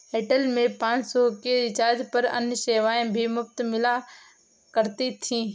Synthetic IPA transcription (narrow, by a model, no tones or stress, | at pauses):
ɦeːʈəlmẽpãːt͡ʃsɔːkeɾɪt͡ʃaːɾd͡ʒpəɾə̰̃njəseːʋaːẽbʱimʊbt̪mɪla | kəɾt̪it̪ʰĩː